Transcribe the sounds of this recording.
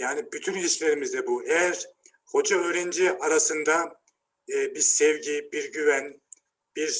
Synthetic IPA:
jaːnibyt̪ʰynlʲiʃlʲe̞ɾimizd̪ɛbuɛjæɾ̥ | ho̞d͡ʒaøːɾend͡ʒiʔaɾasɯnd̪a | biɾsɛvɟibiɾɟyvæn | b̥iɾ

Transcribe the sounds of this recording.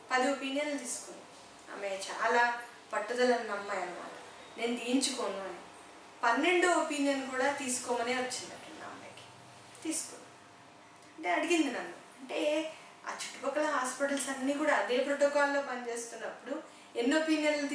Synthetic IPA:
pɐd̪iopiːnjɐnlut̪iːsu̥kund̪i | a̰ːmeːt͡ʃa̰ːlaː | pɐʈːɐd̪ɐlɐnːɐmːaːjɐnima̰ːʈɐ̥ | ne̞ːnud̪iːiɲt͡ʃukoːnuɐni | pɐnːe̞ɳɖuopiːnijɐnkuːɽaːt̪iːsu̥kɔːmɐneːʋɐt͡ʃːind̪ɐʈːɐnːa̰ːmeki̥ | t̪iːsu̥kunːa | ɐɐɳʈe̞ːɐɽiɡind̪inɐnːuɐɳʈe̞ː | a̰ːt͡ʃu̥ʈːu̥pɐkːɐlɐɦaːspiʈɐlsɐnːiːkuːɽaːɐd̪e̞ːpɾoʈoːkaːlːo̞ːpɐnit͡ʃe̞ːst̪unːɐpːuɽu | enːopiːnijɐnlut̪ː

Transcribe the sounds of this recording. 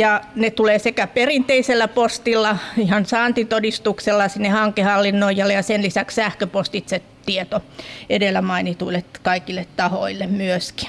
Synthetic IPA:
jɑnet̪uleːsekæperint̪eiselːæpost̪ilːɑihɑnsɑːnt̪it̪odist̪ukselːɑsinːehɑŋkehɑlːinːoijɑlːejɑsenlisækssæhkøpost̪it̪se | t̪iet̪oedelːˑæmɑinit̪uilːet̪kɑikilːˑet̪t̪ɑhoilːemmyøski̥

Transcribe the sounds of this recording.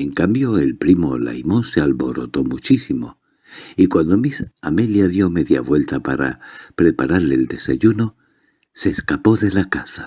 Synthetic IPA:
e̞ŋkambjo̞e̞lpɾimo̞la̰jmo̞nsealβo̞ɾo̞t̪o̞mut͡ʃisimo̞̰ | ikwand̪o̞misameljaðjo̞me̞ðja̰βwe̞lt̪apaɾa̰pɾe̞paɾaɾle̞ːld̪e̞saʝuno̞ | se̞ːskapo̞ðe̞lakasḁ

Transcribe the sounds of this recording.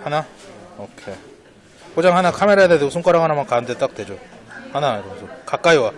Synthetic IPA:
hanaokʰe | pod͡ʑaŋɦanakʰameɾajadedɯsʰuŋk͈aɾaŋɦanamankandet͈ak̚t͈we̞d͡ʑohanaiɾʌbsʰokak͈aiwa

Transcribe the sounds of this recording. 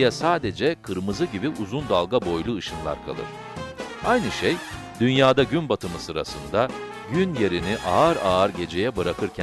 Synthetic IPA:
jɛsaːd̪e̞d͡ʒɛkʰɯɾmɯzɯɟibiʔuzund̪alˠɡabo̞jlˠuːʃɯnlˠa̰ɾkʰa̰lˠɯ̰ɾ̥ | ajnɯʃej | d̪̥ynjaːd̪aɟynbat̪ʰɯmɯsɯɾa̰sɯ̰nd̪a | ɟynje̞ɾiniʔaːɾaːɾɟe̞d͡ʒe̞jɛbɯɾakʰɯɾcʰ

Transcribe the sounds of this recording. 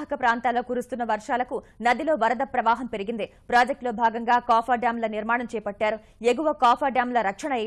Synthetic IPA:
ɦɐkɐpɾaːnt̪aːlːo̞ːkuːɾust̪unːɐʋɐɾʂaːlɐkunɐd̪ilo̞ːʋɐɾɐd̪ɐpɾɐʋaːɦɐmpe̞ɾiɡind̪ipɾaːd͡ʒɐk̚ʈlo̞ːbʱaːɡɐŋɡaːkaːpʰaːɖaːmlɐniɾmaːɳɐmt͡ʃɛːjɐpɐʈːaːɾu | eɡuʋɐkaːpʰaːɖaːmlɐɾɐkʂɐɳɐɛ

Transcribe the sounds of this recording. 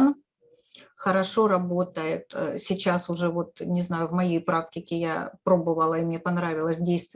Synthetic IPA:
n | xəɾɐʂo̞ɾɐbo̞t̪əjɪt̪sʲɪt͡ɕasʊʐɛvo̞t̪nʲɪznajʊvmɐjejpɾak̚tʲɪkʲɪja̰pɾo̞bɨvəlˠɐɪmnʲe̞pɐnɾavʲɪlˠəsʲdʲejst̪

